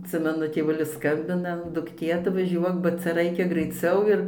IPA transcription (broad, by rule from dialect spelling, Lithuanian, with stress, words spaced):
ɐtʲˈsʲɪmʲɛnʊ tʲeːˈʋʊlʲɪs ˈskɐmʲbʲɪnɐ dʊkˈtʲeː ɐtʋɐˈʒʲuɔk bɐ ˈt͡sʲɛ ˈrɐɪkʲɛ ɡrɐɪˈt͡sʲɛʊ ɪr